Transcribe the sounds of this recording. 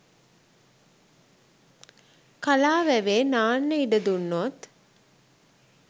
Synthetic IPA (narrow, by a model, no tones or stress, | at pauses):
kalaːʋæʋeːnaːnːəiɖəd̪unːot̪